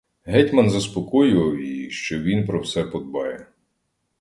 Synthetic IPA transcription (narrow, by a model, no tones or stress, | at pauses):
ɦɛtʲmɐnzɐspɔkɔjʊʋɐwjijiʃt͡ʃɔʋʲinpɾɔwsɛpɔd̪̚bɑjɛ